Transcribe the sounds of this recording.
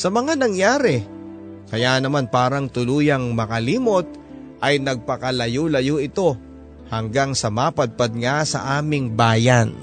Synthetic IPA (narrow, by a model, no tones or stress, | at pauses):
sɐmɐŋanɐŋjaːɾɛ | kɐjanɐmanpaːɾɐŋt̪ʊluːjɐŋmɐkɐliːmot̪̚ | ʔɐjnɐɡ̚pɐkɐlɐjolɐjoʔɪt̪o̞ | hɐŋɡaŋsɐmaːpɐd̪̚pɐd̪̚ŋasɐ̰ʔaːmɪŋbaːjɐn